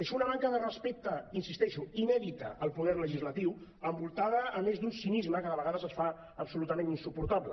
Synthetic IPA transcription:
əʃɔunəβaŋkəðərəspek̚t̪əinsist̪ɛʃuinɛðit̪ə̰ʔəlˠpuðɛɾləʒizlət̪iw | əmbulˠt̪aðəːnezd̪unsinizməkaðəβəɣaðəzəsfa | əpsulut̪əmẽninsupuɾt̪aβlə

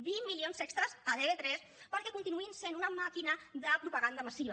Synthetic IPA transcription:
bimːilionzɛkst̪ɾəzaðeβet̪ɾɛs | pəɾkɛkunt̪inuinsenunɐmakinəðəpɾupəɣand̪əmasiβ

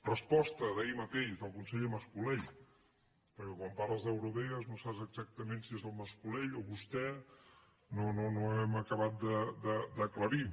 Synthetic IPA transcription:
rəspɔst̪əðəimət̪eʃðəlˠkunsɛʎəməskuleʎ | pəɾkɛkwampaɾrləzðəwɾuβɛəznosapzəɡzak̚t̪əmensiezəlˠməskuleʎoβust̪ɛ | nononoɛməkəβat̪̚d̪əd̪əd̪əkləɾi

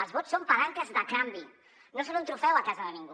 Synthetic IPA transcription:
alzβot͡ssompaɾank̪əzðəkambi | nosɔlunt̪ɾufɛwakazəðənĩŋɡu

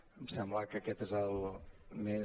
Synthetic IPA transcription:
msɛmbləkəkɛt̪ezəlˠme

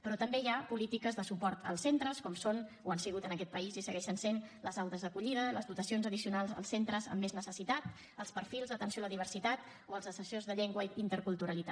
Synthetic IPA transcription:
pɾɔt̪əmbejapulit̪ikəzðəsupɔɾt̪ə̰lˠsent̪ɾəskɔmson | oansiɣ̞ut̪ənəkɛt̪̚pəizisəɣɛʃənsenləzawt̪əzðəkuʎiðələzðut̪əsionzəðisiunalˠzə̰lˠsent̪ɾəzə̰mːeznəsəsit̪at̪ | əlˠspəɾfilˠzðət̪ənsioaləðiβ̞ərsit̪at̪ | oəlˠzəsəsozðəʎeŋɡwəint̪əɾkulˠt̪uɾəlit̪a

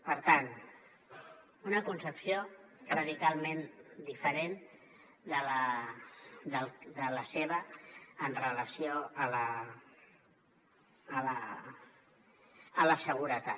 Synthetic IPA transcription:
pəɾt̪an | unəkunsəpsiorəðikalˠmend̪ifəɾen | d̪ələ | d̪əlˠd̪ələseβəːnrələsioələ | lə | ələsəɣuɾət̪a

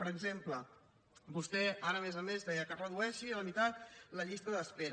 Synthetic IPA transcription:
pəɾəɡzemplə | bust̪ɛaɾəːmezəmezðɛəkərəðuɛʃiələmit̪at̪̚ləʎist̪əðəspeɾ

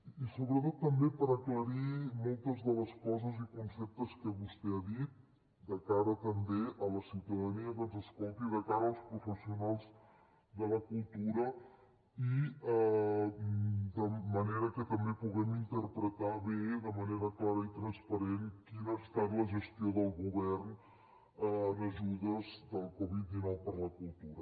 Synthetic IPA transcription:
isoβɾət̪ot̪ːəmbepəɾəkləɾimɔlˠt̪əzðələskɔzəzikunsɛp̚t̪əskəβust̪ɛaðit̪̚ | d̪əkaɾət̪əmbeʔələsiwt̪əðəniəkənzəskɔlˠt̪iðəkaɾəːlˠspɾufəsiunalˠz | ðələkulˠt̪uɾə | i | d̪əməneɾəkət̪əmbepuɣɛmint̪əɾpɾət̪aβeðəməneɾəklaɾəit̪ɾənspəɾenkinəst̪at̪ləʒəst̪ioðəlˠɣuβɛrn | əənəʒuðəzd̪əlˠkɔβit̪̚d̪inɔwpəɾləkulˠt̪uɾə

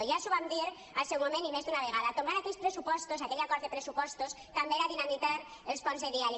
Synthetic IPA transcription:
ojasuβambjeɾ | alsewmomenimezðeunaβeɣ̞aðat̪omɡaɾakeʎspɾesupost̪os̬akeʎakoɾðepɾesupost̪os | t̪ambeɾaðinamit̪aɾ | elsponzðeðial

